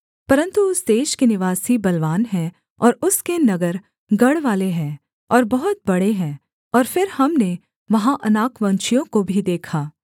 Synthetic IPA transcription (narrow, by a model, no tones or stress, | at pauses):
pɐɾə̃nt̪uʊsd̪eːʃkenɪʋaːsibɐlʋaːnɦɛ̃ | ɔːɾʊskenɐɡəɾ | ɡɐɽʋaːleɦɛ̃ː | ɔːɾbɐɦʊt̪̚bɐɽeɦɛ̃ː | ɔːɾfɪɾhɐmne | ʋɐɦãʔɐnaːkʋɐ̃nt͡ʃijõkobʱid̪eːkʰaː